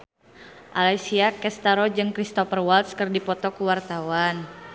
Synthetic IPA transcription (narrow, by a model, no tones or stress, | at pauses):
ʔalajsiakɛst̪aɾɔd͡ʒɨŋkɾist̪ɔfərwalt̪skərdipɔt̪ɔkuwart̪awan